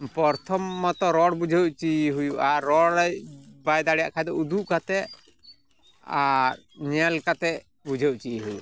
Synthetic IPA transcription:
pɔɾt̪ʰɔmːɔt̪ɔɾɔɽbud͡ʒʱewʔt͡ʃiɦujuʔaɾːɔɽjbajd̪aɽija̰ʔkʰajd̪ɔud̪uʔkat̪ɛ | aɾ | ɲɛlkat̪ɛ | bud͡ʒʱewʔt͡ʃiɦujṵʔ

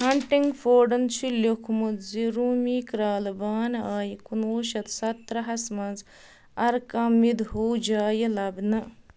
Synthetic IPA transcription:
hɐɳʈiŋɡfʰoːɖɐnt͡ʃʰilokʰmud̪ziɾuːmiːkɾaːlbaːnaːjikunoːʃɐt̪sɐt̪ɾɐɦɐsmɐnz | ɐɾkamid̪ɦoːd͡ʒaːjɐlɐbnɐ

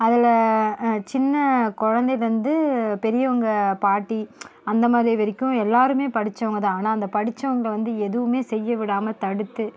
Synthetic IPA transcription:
ɐðɪlɐ | t͡ʃɪnːɐkɔɻɐnd̪ɐjlʋɐnd̪ɯpɛɾɪjɐʋɐŋɡɐpaːʈːiɐnd̪ɐmaːdðɾiʋɛɾɪkʲːʊ̃ɛlːaːɾɯmeːpɐɽɪt͡ʃːɐʋɐŋɡɐðãːaːnaːɐnd̪ɐpɐɽɪt͡ʃːɐʋɐŋɡɐɭɐʋɐnd̪ɯɛðɯʋɯmeːsɛjːɐʋɪɽaːmɐt̪ɐɽɯt̪ːɯ

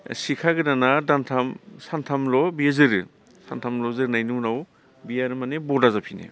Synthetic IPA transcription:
sikʰaɡɯdanadantʰamsantʰamlɔbijazɯɾɯ | santʰamlɔzɯɾnajnɯwnaw | bijaɾɯmanebɔdazapʰinḛ

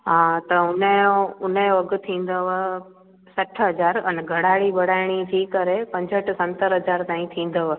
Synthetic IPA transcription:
ɦãːt̪ɐʊnəoʊnəjoɐɡʊ̆t̪ʰĩːn̆d̪oʋə | sɐʈʰɦɐd͡ʑaːɾɛnɡʱɐɽ̤aːɽiɓɐɽ̤aːɪɽ̃it̪ʰiːkəɾepɐ̃ɲd͡ʑʱəʈsɐ̃nt̪əɾɦɐd͡ʑaːɾt̪aːĩt̪ʰĩːn̆d̪oʋə

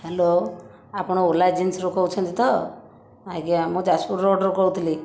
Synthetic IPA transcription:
helo | apɽ̃oolad͡ʒinsɾokɔwt͡ʃʰɔnt̪it̪ɔ | akiamũd͡ʒasuɾːoɖɾokɔut̪ʰli

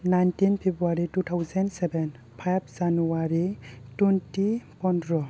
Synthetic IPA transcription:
najntinpʰibuaɾitutʰawzɛnsɛbɛn | pʰajb̚zanuwaɾituntipɔndɾɔ

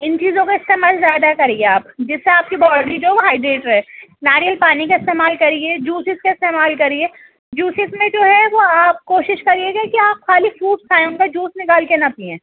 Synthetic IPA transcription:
ɪnt͡ʃiːzõkaɪst̪eːmaːlzjaːd̪akɐɾẽɡeaːpd͡ʒɪsːeaːp̚kibɔːɖɾid͡ʒoːɦɛʋoɦaːɪɖɾeːʈɾɦɛːnaːɾijəlpaːnikaɪst̪eːmaːlkɐɾied͡ʒuːsɪzkaɪst̪eːmaːlkɐɾieː | d͡ʒuːsɪzmẽd͡ʒoːɦɛʋoaːp̚koːʃɪʃkɐɾieɡakiaːp̚xaːlifuːʈskʰaːjʊ̃ŋkad͡ʒuːsnɪkaːlkenɐpiẽː

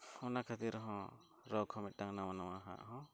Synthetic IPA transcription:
hɔnakʰat̪iɾɔɦɔ̃ | ɾɔkʰɔmit̪̚daŋnamanamaɦa̰ʔɦɔ̃

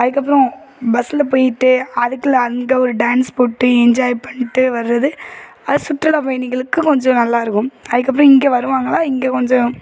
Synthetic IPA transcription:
ɐðɯkːɐp̬ːɯɾɔ̃ | bɐsɪlɐpoːjɪʈːɯɐðɯkːɐlɐŋɡɐɔɾɯɖaːnspoːʈːɯɛɲd͡ʒaːjpɐɳːɪʈːɯʋɐɾɯɾɐðɯ | ɐðɯsʊʈɾɐlɐpɐjniŋɡɐɭɯkːɯkɔɲd͡ʒɔ̃nɐlːaːɪɾɯkːɯmɐðɯkːɐp̬ːɯɾɔ̃ɪŋɡeːʋɐɾɯʋaːŋɡɐɭaːɪŋɡeːkɔɲd͡ʒɔ̃

